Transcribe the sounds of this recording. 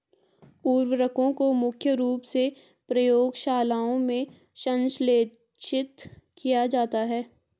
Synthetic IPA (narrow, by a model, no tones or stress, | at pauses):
uːɾwəɾəkõkomʊkʰjəɾuːpse | pɾɐjoːɡʃaːlaːõmẽ | ʃɐ̃nʃleː | t͡ʃɪt̪kijad͡ʒaːt̪aɦɛː